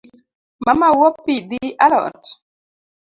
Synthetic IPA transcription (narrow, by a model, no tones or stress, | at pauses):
mamawɔpːid̪iʔalɔ̰ɾt